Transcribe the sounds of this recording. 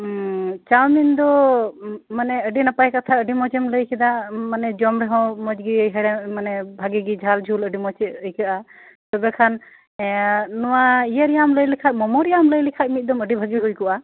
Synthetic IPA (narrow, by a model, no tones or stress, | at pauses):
t͡ʃawmind̪ɔ | manɛəɖinapajkat̪ʰaəɖimɔt͡ʃɛmləjkʰɛd̪amanɛd͡ʒɔmɾɛɦɔ̃mɔd͡ʒɡijɦɛɽɛmanɛbʱaɡiɡid͡ʒʱald͡ʒʱuləɖimɔt͡ʃɛəjkʰaʔa | t̪ɔbɛkʰan | ɔwaijəɾijamləjlikʰat̪̚mɔmɔɾijamləjlɛkʰat̪̚mit̪̚ˀd̪ɔməɖibʱaɡiɡɔjkɔʔa